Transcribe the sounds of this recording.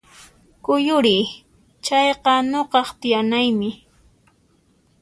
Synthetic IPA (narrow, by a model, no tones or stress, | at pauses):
kʊjʊɾɪj | t͡ʃɑjqɑnoqɑχt̪ɪjanajmɪ